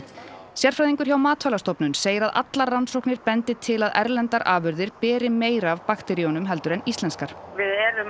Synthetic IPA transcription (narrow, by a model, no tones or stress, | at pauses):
sjɛɾ̥fɾajðiŋkʏɾ̥çawmaːt̪fœlast̪ɔpnʏnseːjɪɾaða̰t̪laɾːansowhknɪɾpɛnt̪ɪt̪ʰɪlaðɛ̰ɾlɛnt̪aɾʔaːvʏɾðɪɾpɛːɾɪmeːjɾavpaxt̪ɛɾiɔnʏmɦɛlt̪ʏɾɛnist̪lɛnskaɾ̥vɪðɛɾʏm